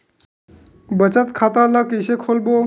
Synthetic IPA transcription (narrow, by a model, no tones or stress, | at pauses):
bət͡ʃət̪kʰat̪aləkəjsekʰolbo